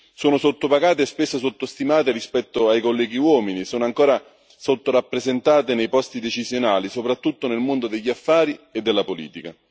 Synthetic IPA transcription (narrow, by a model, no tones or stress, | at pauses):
soːnosot̪ːopaɡaːt̪espesːosot̪ːost̪imaːt̪eɾispɛt̪ːoajkolːɛːɡiwɔːminisoːnoaŋkoːɾa | sot̪ːoɾapːɾezent̪aːt̪enejpɔst̪id̪et͡ʃizjonaːlisopɾat̪ːut̪ːonelmond̪od̪eʎːiafːaːɾied̪ːelːapolḭːt̪ika̰